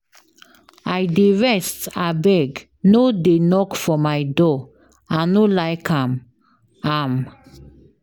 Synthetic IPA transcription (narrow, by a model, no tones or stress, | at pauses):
ajdeɹɛstabɛɡ | nodenɔkfɔmajdɔ | ãnolajkʰãm | am